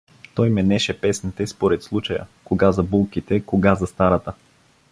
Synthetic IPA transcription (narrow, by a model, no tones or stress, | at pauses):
t̪ɔjmɛnɛʃɛpɛsnit̪ɛspoɾɛt̪slˠut͡ʃɐjə̰koɡazɐbulˠkit̪ɛkoɡazɐst̪aɾɐt̪ə